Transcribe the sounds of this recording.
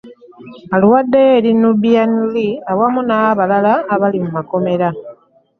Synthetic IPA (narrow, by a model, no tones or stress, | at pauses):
aluwadːejeɾinubianiliawamunaβalalaːβalimumako̞me̞ɾa